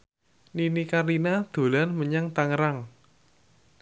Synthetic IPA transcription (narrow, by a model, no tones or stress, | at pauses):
ninikaɾinad̪̥o̤lanməɲaŋt̪aŋəɾaŋ